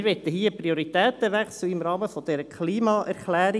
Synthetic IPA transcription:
ɾʋɛt̪ːəɦiːəpɾioɾit̪ɛːt̪əʋɛksl̩ɪmɾɑːməfod̪̥ɛɾəkʰliːmɑʔɛɾklæːɾi

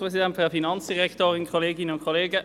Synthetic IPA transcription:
pʁɛs̬idɛntfydəfinɑnt͡sd̥iʁɛktoːʁɪnkʰoleːɡɪnənʊntkʰoleːɡə

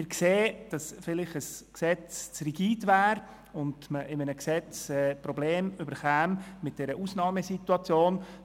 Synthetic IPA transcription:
ɪɾkseːd̥ɑsfɪlɪχəsksɛt͡st͡sriɡiːdvæːɾ | ʊndməʔɪmənəksɛt͡sɛːpɾɔbleːmybəɾχæːmmɪt̚d̥ɛːɾəʔusnɑːməsituɑt͡sjoːn

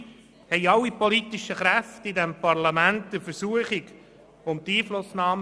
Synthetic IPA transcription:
hɛɪɑlːipɔlitɪʃəχɾæftɪdɛmpɑɾlɑmæntd̪əɾfəɾsuəχɪɡ | ʊmt̪iːflʊsnɑːm

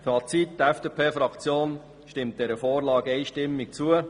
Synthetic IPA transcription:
fɑːt͡sittɛfd̥epʰeːfɾɑkt͡sjoːn | ʃtɪmt̚d̥ɛɾəfoːɾlɑːɡɛɪʃtɪmːik̚t͡suə

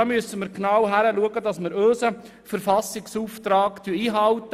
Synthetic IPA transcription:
ɑmyəsəməɾknɑwɦæɾəluəɡədɑsməɾøːsə | fəɾfɑsɪksuːftɾɑːktyəiːɦɑltə

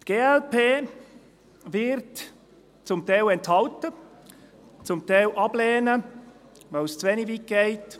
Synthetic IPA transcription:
tɡ̥eːɛlpeː | vɪɾt | t͡sʊmt̪ɛɪlɛnthɑltə | t͡sʊmt̪ɛɪlʔɑblɛːnə | vaɪlst͡sʋɛnivikɡ̥eɪt

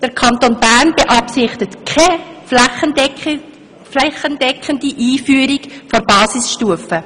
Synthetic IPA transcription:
d̥əɾkʰɑnt̪onbærnbeʔɑpsɪχtətkʰɛflχə | flɛχəndɛkχəndiʔiːfyːɾikfoɾbɑːsɪsʃtuəfə

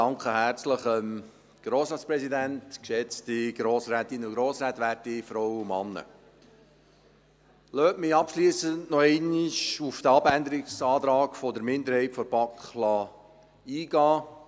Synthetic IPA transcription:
ɑŋkχəɦært͡sləχəm | ɡ̥ɾoːsɑːt͡sspɾɛsidæntkʃɛt͡stiɡ̥ɾoːsɾæːt̪inːəʊɡɾoːsɾæːt̪ʋæːɾtifɾɔwumɑ̰nːə̰ | løːtmɪɑpʃliːsəntnɔɛɪnɪʃufd̥əɑbænd̪əɾiksɑːt̪ɾɑːkfɔdəɾmɪnd̪əɾhɛɪtfɔɾb̥ɑkχlɑ | iːɡ̥ɑː

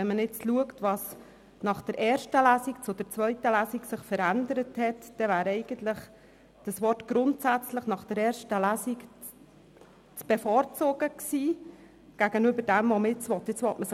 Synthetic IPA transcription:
ɛnmənɪt͡sluəktʋɑs | nɑχd̥əɾʔɛːɾʃtəlæːsikt͡sʊd̥əɾt͡sʋœʏtəlæːsiksɪχfəɾændəɾəthɛtd̥ɛvæːɾɛɪɡ̥əntlɪχ | d̥əsʋɔrtɡ̥ɾʊntsæt͡sləχnɑχd̥əɾɛːɾʃtəlæːsik | t͡sb̥ɛfɔːɾt͡soːɡ̥əksiː | ɡ̥æɡ̥ənybəɾd̥ɛmvɔməɪt͡sʋɔtːɪt͡sʋɔtməs

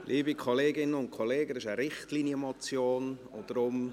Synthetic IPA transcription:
lʔiːbikʰoleːɡɪnːəʊntkʰoleːɡəɪʃəɾɪχtliːnjəmot͡sjoːnʊ̰d̥ɾʊm

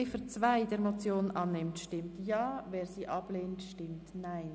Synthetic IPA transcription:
efət͡svaɪdɛːɾmot͡sjoːnnʔɑnːɪmtʃtɪmtjɑːveːɾsiːʔɑb̥leːntʃtɪmtnaɪn

